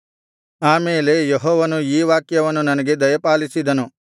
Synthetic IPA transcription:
aːmeːle̞jeɦɔːʋɐnuiːʋaːkjɐʋɐnːunɐnɐɡe̞d̪ɐjɐpaːlisid̪ɐnu

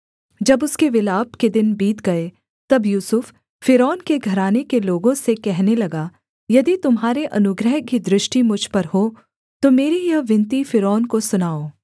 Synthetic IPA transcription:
d͡ʒɐbʊskeʋɪlaːbked̪ɪnbiːt̪ɡɐe | t̪ɐbjuːsʊfː | ɪɾɔːnkeɡʱɐɾaːnekeloːɡõsekɛɦnelɐɡa | jɐd̪it̪ʊmɦaːɾeʔɐnʊɡɾəɦkid̪ɾɪʃʈimʊd͡ʒʱpɐɾɦo | t̪omeːɾijɐʋɪ̃nt̪ifɪɾɔːnkosʊnaːoː

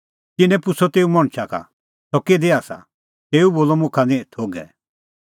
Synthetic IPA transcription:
t̪ɪnɛ̃pʊsɔt̪eːumɔɽ̃t͡ʃʰakʰa̰ | sɔked̪eaːsa̰ | t̪eːuboːlɔmʊ̃kʰanɛ̃t̪ʰoːɡɛ̰

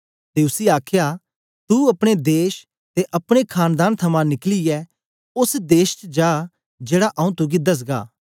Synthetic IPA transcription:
t̪eʊsiaːkʰja | t̪uɐpɽ̃ed̪eːʃ | t̪eʔɐpɽ̃ekʰaːnd̪aːnt̪ʰɐmãnɪkliɛ | ʊsd̪eːʃt͡ʃd͡ʒaː | d͡ʒeːɽaʔɐũt̪ʊɡid̪ɐs̬ɡa̰ː

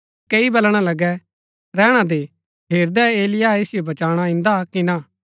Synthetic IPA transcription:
keibɐlɽ̃alɐɡɛ | ɾɛːɽ̃ad̪e | pʰeːɾd̪ɛeːlɪjaeːsɪjobɐt͡ʃaːɽ̃aɪ̃nd̪akinã

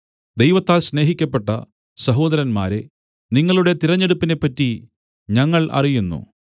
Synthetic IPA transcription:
d̪ejʋɐt̪ːaːlsne̞ːɦikʲːɐpːe̞ʈːɐ | sɐɦo̞ːd̪ɐɾɐnma̰ːɾe | niŋːɐɭuɽe̞t̪iɾɐɲːe̞ɽupːine̞pːɐtːi | ɲɐŋːɐɭʔɐ̰rijunːṵ

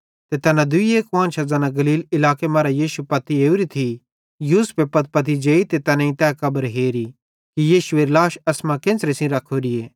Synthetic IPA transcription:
t̪et̪ɛːnãd̪ʊieːkʋãːnʃɐzaːnaɡɐliːlɪlaːkemaːɾajiːʃupɐt̪ieːuɾit̪ʰi | juːspepɐt̪̚pɐt̪̬id͡ʒeːit̪et̪ɛːnãĩt̪ɛːkɐbəɾɦeːɾi | kijiːʃueːɾlaːʃɐsmãkẽːnsɾesĩɾɐkʰːoɾɪjeː

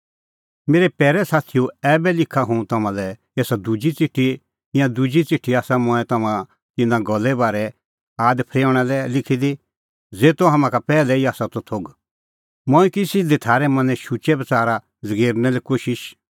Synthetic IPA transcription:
meːɾɛpɛːɾɛsaːt̪ʰijoɛːbɛlɪkʰaɦũt̪ɐmãlɛ | eːsad̪ud͡ʒit͡sɪʈʰːi | ɪjãd̪ud͡ʒit͡sɪʈʰːiaːsamɔ̃ɛt̪ɐmã | t̪ɪnãɡɔlːɛbaːɾɛ | aːd̪pʰɾeːɽ̃ɛlɛlɪkʰid̪i | d͡zeːt̪oɦɐmãkapɛːlɛiaːsat̪ot̪ʰoːɡ | mɔ̃ːĩkɪsid̪ɛt̪ʰaːɾɛmɐ̃nɛ̃ʃut͡ʃɛbɐt͡saːɾa | d͡zɐɡeːɾnɛlɛkoːʃɪʃ

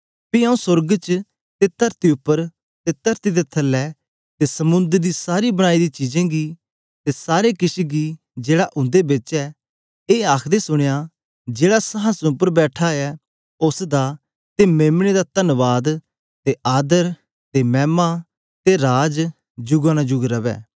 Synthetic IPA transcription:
piːãũsʊɾɡt͡ʃ | t̪et̪əɾt̪iʊpːəɾ | t̪et̪əɾt̪id̪et̪ʰɐlːɛː | t̪esəmʊ̃nd̪əɾd̪iːsaːɾibəɽ̃aːid̪iːt͡ʃiːd͡ʒɛ̃ɡiː | t̪esaːɾekɪʃiɡiː | d͡ʒeːɽaʔʊ̃nd̪ebɪt͡ʃɛː | eːaːkʰd̪esʊɽ̃jaː | d͡ʒeːɽasɐɦãsʊpːəɾbɛːʈʰaːɛː | ʊsd̪a | t̪emeːmɽed̪aːt̪ənʋaːd̪ | t̪eʔaːd̪əɾ | t̪emɛːmaː | t̪eɾaːd͡ʒ | d͡ʒʊɡãːnad͡ʒʊɡɾɐʋɛ̰ː

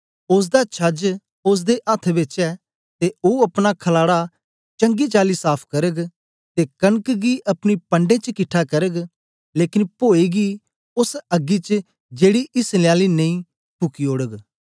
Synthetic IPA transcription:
ʊs̬d̪at͡ʃʰɐd͡ʒ | ʊs̬d̪eʔət̪ʰʋɪt͡ʃɛː | t̪eoːɐpnakʰəlaːɽa | t͡ʃɐ̃ŋɡit͡ʃaːlisaːpʰkɐɾəɡ | t̪ekɐnəkɡiʔɐpɽ̃ipə̃ɳɖẽːt͡ʃkɪʈʰakɐɾəɡ | leːkɪnpoːiːɡi | ʊsɐɡit͡ʃ | d͡ʒeːɽiʔɪslɪjaːlinɐĩ | pʊkioːɽəɡ

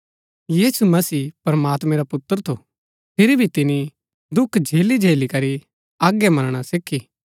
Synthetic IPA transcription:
jiːsumɐsiːpɾɐmaːt̪mɛ̃ɾapʊt̪ːəɾt̪ʰo̰ | pʰɪɾibʱit̪ɪni | d̪ʊkʰd͡ʒʱeːlid͡ʒʱeːlikɐɾi | aːɡːemɐnɽ̃asɪkʰːiː

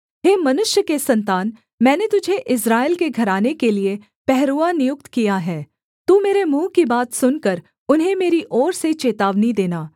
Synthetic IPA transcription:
ɦeːmɐnʊʃjəkesɐ̃nt̪aːn | mɛ̃ːnet̪ʊd͡ʒʱeʔɪs̬ɾaːɪlkeɡʱɐɾaːnekelie | pɛɦɾuːanɪjʊk̚t̪kijaɦɛː | t̪uːmeːɾemũːkibaːt̪sʊnkəɾ | ʊnɦẽmeːɾiʔɔːɾset͡ʃeːt̪aːʋnid̪eːnaː

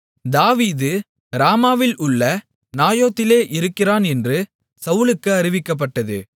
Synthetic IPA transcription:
d̪aːʋiːðɯ | ɾaːmaːʋɪlʊɭːɐ | naːjoːt̪ːɪleːʔɪɾɯkːɪraːnɛndrɯ | sɐʊɭɯkːɯɐɾɪʋɪkːɐp̬ːɐʈːɐðɯ̰

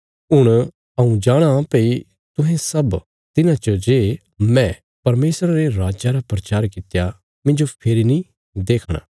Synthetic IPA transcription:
ɦʊɽ̃ | ɐũd͡ʒaːɽ̃apei | t̪ʊ̃ɦɛ̃sɐb | t̪ɪnãt͡ʃəd͡ʒeː | mɛ̃ | pɐɾmeːsɾaɾeɾaːd͡ʒaɾapɾɐt͡ʃaːɾkɪt̪ja | mɪ̃nd͡ʒopʰeːɾinĩ | d̪eːkʰɽ̃a̰ː

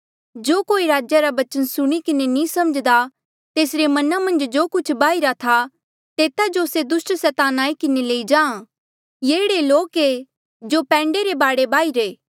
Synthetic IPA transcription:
d͡ʒoːkoːiɾaːd͡ʒjaɾabɐt͡ʃənsʊɽ̃ikɪnenĩsɐməd͡ʒd̪a | t̪eːsɾemɐnamɐ̃nd͡ʒd͡ʒoːkʊt͡ʃʰbaːiɾat̪ʰa | t̪eːt̪ad͡ʒosed̪ʊsʈsɛːt̪aːnaːikɪneleːid͡ʒãːã | jeːɽeloːke | d͡ʒopɛ̃ːɳɖeɾebaːɽebaːiɾeː

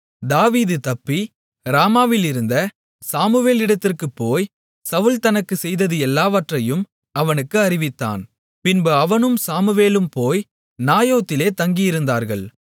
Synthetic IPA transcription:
d̪aːʋiːðɯt̪ɐpːi | ɾaːmaːʋɪlɪɾɯnd̪ɐ | saːmɯʋeːlɪɽɐt̪ːɪrkɯpːoːj | sɐʋɯlt̪ɐnɐkːɯsɛjðɐðɯɛlːaːʋɐʈrɐjɯm | ɐʋɐnɯkːɯɐɾɪʋɪt̪ːa̰ːn | pɪnboɐʋɐnɯmsaːmɯʋeːlɯmpoːj | naːjoːt̪ːɪleːt̪ɐŋɡɪjɪɾɯnd̪aːɾɣɐɭ

